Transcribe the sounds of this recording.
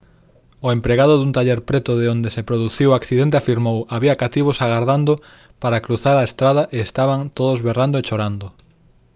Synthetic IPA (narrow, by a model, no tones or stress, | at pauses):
oempɾeɣaðoðunt̪aʎeɾpɾet̪ʊðeond̪esepɾoðuθiwakθiðent̪̬eafiɾmowaβiɐkat̪iβ̞osaɣaɾðand̪o | paɾakɾuθaɾaest̪ɾaðaʔeest̪aβaŋt̪oðozβerand̪oet͡ʃoɾand̪o